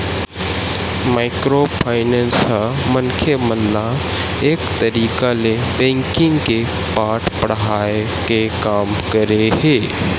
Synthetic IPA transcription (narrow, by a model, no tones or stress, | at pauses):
maɪkɾopʰaːɪneːnsɦamənkʰeməlːa | eːkt̪əɾiːkalebẽːŋkɪ̃ŋɡke | paːʈpəɽɦaːe | kekaːmkɐɾeɦeː